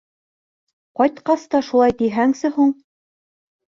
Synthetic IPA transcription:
qɑjt̪qɑst̪ɑʃulˠɑjt̪iɦæŋsɘhuɴ

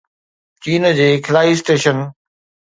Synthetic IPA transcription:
t͡ɕiːnd͡ʑeːkʰɪlaːisʈeːʃən

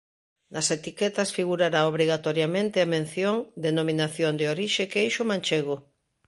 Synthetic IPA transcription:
nɐset̪ikɛt̪ɐsfiɣuɾaɾaoβɾiɣat̪oɾjamẽnt̪ɪɐmẽn̟θjoŋd̪enomĩnaθjond̪eoɾiʃekejʃʊmãnt͡ʃeɣo

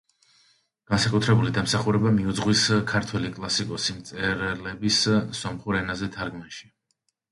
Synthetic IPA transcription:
ɡ̥ansakʼut̪ʰɾɛbulid̪amsaχuɾɛbamiud̪zʁwiskʰaɾt̪ʰwɛlikʼlˠasikʼɔsimt̪sʼɛɾlɛbissɔmχuɾɛnazɛt̪ʰaɾɡmɛnʃi̥

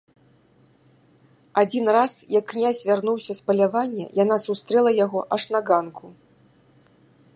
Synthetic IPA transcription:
ad͡zʲinrasjɐkːnʲazʲvʲarnuwsʲɐspɐlʲavanʲːɛ̰janasust̪ɾɛlˠɐjaɣɔʔɐʂnaɡankʰu

